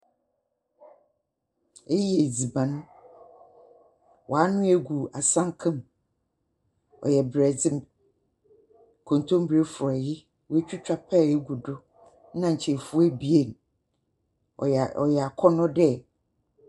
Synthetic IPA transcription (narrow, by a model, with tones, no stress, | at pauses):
e˦ji˦e˨d͡zi˨bã˨nʊ̃˦ | wʔɔ˨a˦nʊ̃˦e˨ɡu˨a˨sã˦ŋ˦kʰã˦m | ɔ̰˨jɛ˨bɾɛ˨d͡zɪ̃˦m | kʰõ˨n˨tʰõ˦m˦bɾe˦fʊ˨ɔ˨jɪ˦ | we˦t͡ɕᶣʰu˦t͡ɕᶣa˦pʰɛ˦˨e˦ɡu˨dʊ˦ | nã˨ɲ̩˨t͡ɕʰɛ˨fu˦æ˦bi˨e˦˨n | ɔ̰˨jɛ˨a˨kʰɔ˦nʊ̃˦dɛ˦˨